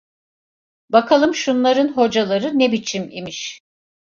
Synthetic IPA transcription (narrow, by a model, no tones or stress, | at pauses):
bakʰalˠɯmʃunlˠaɾɯnɦo̞d͡ʒalˠaɾɯnebit͡ʃʰimḭmiʃ